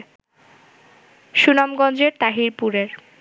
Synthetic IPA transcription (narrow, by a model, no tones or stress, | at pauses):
ʃunamɡɔnd͡ʑeɾt̪aɦiɾpuɾeɾ